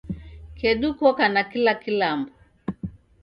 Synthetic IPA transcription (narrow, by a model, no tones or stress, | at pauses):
kɛɗukɔkanakilakilambɔ